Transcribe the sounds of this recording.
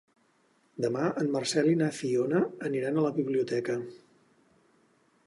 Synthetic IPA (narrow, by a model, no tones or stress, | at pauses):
d̪əmaəmːərsɛlinafionəːniɾanələβiβliut̪ɛkə